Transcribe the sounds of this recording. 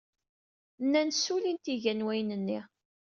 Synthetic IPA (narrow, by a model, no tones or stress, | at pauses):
nːænsulint̪iʝænwæjnənːi